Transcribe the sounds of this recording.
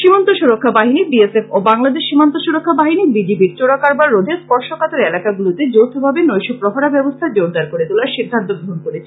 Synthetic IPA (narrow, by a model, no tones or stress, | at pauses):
ʃimant̪oʃuɾokʰːabaɦinibiesefobaŋlad̪eʃʃimant̪oʃuɾokʰːabaɦinibid͡ʑibiɾt͡ɕoɽakaɾbaɾːod̪ʱeɾspɔɾʃokat̪eɾelakaɡulot̪ed͡ʑowt̪ʰobʱabenojʃopɾoɦoɽabɛbost̪ʰad͡ʑowɾd̪aɾkoɾet̪ulaɾʃid̪ʱːant̪obɾoɦonkoɾet͡ɕʰe